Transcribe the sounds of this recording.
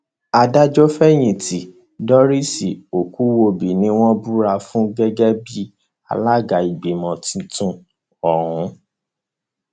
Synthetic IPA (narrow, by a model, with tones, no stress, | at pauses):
a˧da˦d͡ʒɔ˦fɛ˦j̃ĩ˨ti˨ | dɔ˦ɾi˦si˨o˨ku˦wo˧bi˨nĩ˨˦w̃ɔ̃˦bu˦ɾa˧fũ˦ɡɛ˦ɡɛ˦bi˦ | a̰˧la˦ɡa˨i˨ɡ͡be˨mɔ̃˨tĩ˧tũ˧ | ɔ˨ɾũ˨˦